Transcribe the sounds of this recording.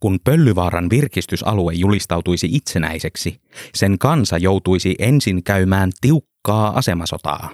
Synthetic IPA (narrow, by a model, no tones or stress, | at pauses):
kunpø̞lːyʋɑːɾɑnʋirkist̪ysɑ̰luejːulist̪ɑwt̪ujsiʔit̪se̞næ̰jse̞ksi | se̞ŋkɑnsɑjo̞wt̪ujsiʔe̞nsiŋkæymæːnt̪iukːɑːʔɑ̰semɑso̞t̪ɑ̰ː